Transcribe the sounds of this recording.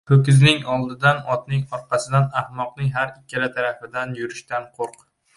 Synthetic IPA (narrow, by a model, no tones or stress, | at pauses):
pʰɵkʲɪznɪŋɒlˠd̪ɪd̪anɒt̪nɪŋɒɾqʰɑsɪd̪anahmɒqnɪŋɦaɾɪkʲʰːalat̪ʰaɾafɪd̪anjʊɾɪʃt̪anqʰoɾq